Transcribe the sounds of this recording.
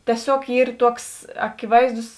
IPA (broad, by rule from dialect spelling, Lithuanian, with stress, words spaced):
tʲiɛˈsʲoːk ˈiːr ˈtuɔks ɐkʲɪˈʋɐɪzdʊs